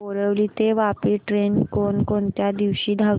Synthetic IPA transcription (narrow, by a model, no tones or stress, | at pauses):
oɾəʋlit̪eʋapiʈɾenkonkont̪jad̪iʋɕiːd̪ʱa